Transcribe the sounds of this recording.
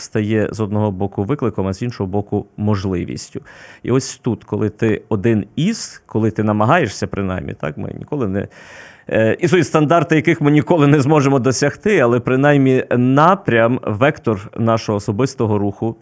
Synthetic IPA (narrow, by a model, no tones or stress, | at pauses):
st̪ɐjɛzɔd̪nɔɦɔbɔkʊʋɪklˠɪkɔmɐzʲinʃɔɦɔbɔkʊmɔʒlˠɪ̰ʋʲḭsʲtʲʊḭɔsʲt̪ut̪kɔlˠɪt̪ɪɔd̪ɪniskɔlˠɪt̪ɪnɐmɐɦɑje̞ʃsʲɐpɾɪnɑ̰jmʲːḭt̪ɑ̰kmɪ̰nʲḭkɔlˠɪnɛ̰ | isujʲʊst̪ɐnd̪ɑrt̪ɪjɐkɪxmɪnʲikɔlˠɪnɛzmɔʒemɔd̪ɔsʲɐxt̪ɪɐlˠɛpɾɪnɑjmʲːinɑpɾʲɐmʋɛkt̪ɔrnɑʃɔɦɔːsɔbɪst̪ɔɦɔɾuxʊ